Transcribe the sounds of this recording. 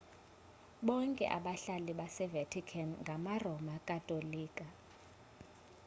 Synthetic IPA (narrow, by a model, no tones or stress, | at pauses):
ɓɔŋkʼɛ̰ʔa̰ɓaɬaliɓasɛvetʰikʰanŋɡʱamarɔmakʼatʼoliːkʼa